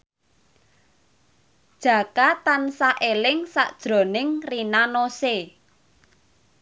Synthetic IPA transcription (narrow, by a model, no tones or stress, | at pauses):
d̥ʒ̥ä̤kat̪ansaʔelɪŋsa̰ʔd̥ʒ̥ɾo̤nɪŋrinanose